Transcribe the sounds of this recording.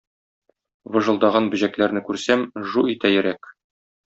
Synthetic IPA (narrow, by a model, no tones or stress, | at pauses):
wɤ̆ʒɤ̆lˠd̪ɑʁɑnbɵ̆ʑæklæɾnɘkʉɾsæmʒuit̪æjɘ̆ɾæk